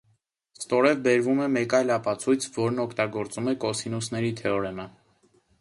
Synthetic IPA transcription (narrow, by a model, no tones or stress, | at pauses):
st̪ɔɾɛvbɛɾvumɛmɛkɑjlɑpɑt͡sʰujt͡sʰvɔɾnɔkʰt̪ɑɡɔɾt͡sumɛkɔsinusnɛɾit̪ʰɛɔɾɛmə